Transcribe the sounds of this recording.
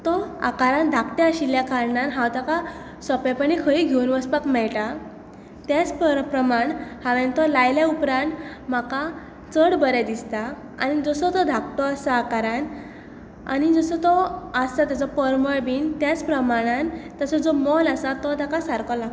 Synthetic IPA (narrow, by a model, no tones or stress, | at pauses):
t̪ɔa̰kaɾãnd̪ʱakt̪ɛəɕiljakaɾɳanɦãwt̪aka | sɔpɛpəɳikʰəiɡʱeunʋəspakmɛɭʈa | t̪jat͡spəpɾəmaɳhaʋɛ̃nt̪ɔlajljaupɾãnʈ | m̤aka | t͡səɽbəɾad̪ist̪a | anid͡zɔsɔt̪ɔd̪ʱakt̪ɔasaːkaɾan | a̰ɽid͡zɔsɔt̪ɔəst̪at̪jat͡sɔpəɾməɭbiːnt̪jat͡spɾəmaɽ̃ant̪əsɔd͡zɔmɔlasat̪ɔt̪akasaɾkɔla